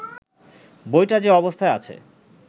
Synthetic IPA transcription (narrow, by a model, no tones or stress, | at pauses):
bojʈad͡ʑeɔbost̪ʰaea̰t͡ɕʰḛ